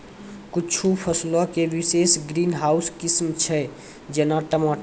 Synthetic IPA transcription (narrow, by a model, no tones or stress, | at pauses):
kut͡ʃʰupʰəslɔkeʋisesɡɾinɦauskismt͡ʃʰɛ | d͡ʒenaʈəmaʈ